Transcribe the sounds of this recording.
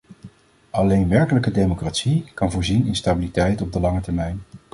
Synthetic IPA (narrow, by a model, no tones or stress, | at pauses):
ɑlejnʋɛɹkələkədejmokraːtsikɑnvʊːɹzinɪnstabilitɛjtɔb̚dəlɑŋətɛɹmɛjn